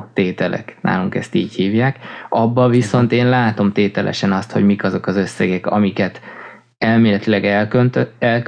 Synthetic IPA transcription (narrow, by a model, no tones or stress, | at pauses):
t̪eːt̪ɛlʔɛ̰knʔa̰ːluŋkɛ̰st̪iːchiːvjaːkɒbːɒviso̞nt̪eːnlaːt̪o̞mt̪eːt̪ɛlʔɛ̰ʃɛnɒst̪ho̞̰ɟmikɒzo̞kɒzø̞sːɛɡɛkɒ̰mikɛt̪ | ɛlmeːlɛt̪ilɛɡønt̪ɛlk